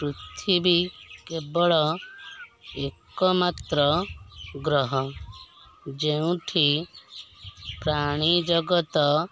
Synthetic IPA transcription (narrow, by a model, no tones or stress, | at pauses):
kɾut̪ʰibikebɔɭɔ | ekɔmat̪ɾɔ | ɡɾɔɦɔ | d͡ʒeũʈʰi | pɾaɽ̃id͡ʒɔɡɔt̪ɔ